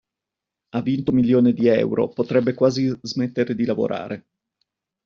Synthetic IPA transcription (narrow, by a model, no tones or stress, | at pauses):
avːint̪omiljoːned̪iɛ̰wɾo̰pot̪ɾɛbːekwaːzizmet̪ːeɾed̪ilavo̰ɾʔa̰ːɾʔe